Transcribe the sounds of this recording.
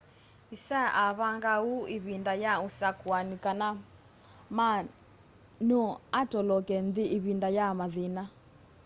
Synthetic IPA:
isaʔaβaŋɡauiβindajausakuanikʼana | ma | nuatɔlɔkɛnd̪iʔiβindajamaðiːna

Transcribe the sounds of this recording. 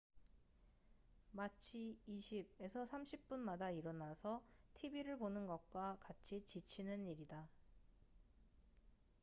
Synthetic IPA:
mat͡ɕʰiːɕʰib̚e̞sʰʌsʰamɕʰip̚p͈unmadaiɾʌnasʰʌtʰibiɾɯɭponɯnɡʌk̚k͈wakat͡ɕʰit͡ɕit͡ɕʰinɯniɾida

